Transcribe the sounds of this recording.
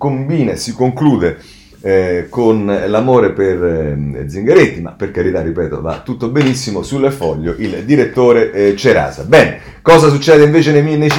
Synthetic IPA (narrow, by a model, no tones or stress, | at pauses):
kombiːnasikoŋkluːd̪e | konlamoːɾeperd̪ziŋɡeɾent̪ima̰pːerkaɾit̪arːipɛːt̪o̰va̰t̪ːut̪ːobenisːimosulːefɔʎːoʔild̪iɾet̪ːoːɾet͡ʃeɾa̰ːza̰bɛːne | kɔːzas̬ut͡ʃːɛːd̪eiɱveːt͡ʃenemine